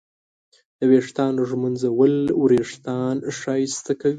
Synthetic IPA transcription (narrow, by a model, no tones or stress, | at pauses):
d̪̥əweʂt̪ɑnʒmənzawəlwɾeʂt̪ɑnʂɑjst̪akawi